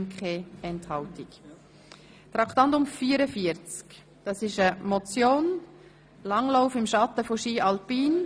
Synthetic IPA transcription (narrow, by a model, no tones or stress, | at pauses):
nkʰχɛɛnthɑltik | t̪ɾɑkt̪ɑntʊmfiːəɾəfiəɾt͡sk | d̥ɑsɪʃəmɔt͡sjoːn | lɑŋlaʊfɪmʃɑt̪əfoʃiːʔɑlpiːn